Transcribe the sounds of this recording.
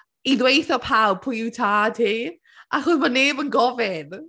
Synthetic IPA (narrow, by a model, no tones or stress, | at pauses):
iðwejθɔpʰawpʰʊjutʰaːtʰiː | ʔaχɔðmɔneːbənɡɔvɪn